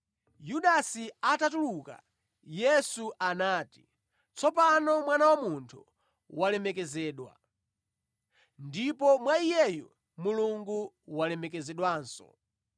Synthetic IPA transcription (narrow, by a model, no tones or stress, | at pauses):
juɗasiatatuluka̰ | jɛsuʔanaːti̥ | t͡sɔpanɔmwanawamuntʰu | walɛmɛkɛzɛːɗwa̰ | ndipɔmwaijɛjɔ | muluŋɡu | walɛmɛk̬ɛzɛɗwaːnsɔ̰